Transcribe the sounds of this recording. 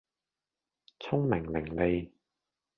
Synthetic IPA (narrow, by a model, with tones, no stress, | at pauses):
t͡sʰʊ˥ŋmɪ˨˩ŋlɪ˨˩ŋle˧j